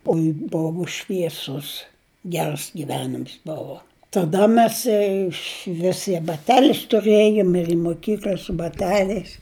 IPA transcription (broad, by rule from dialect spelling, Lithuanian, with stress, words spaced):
ˈoːɪ ˈboːʋʊ ʃʲʋʲiɛˈsʊs ˈɡʲɛrs ɡʲɪˈʋʲæːnʲɪms ˈboːʋoː tɐˈdɐ ˈmʲɛs ɪʃʲˈʋʲɪs ɪ bɐˈtʲæːlʲɪs tʊˈrʲeːjʊm ɪr ɪ moːˈkʲiːklʲɐ sʊ bɐˈtʲæːlʲɛɪs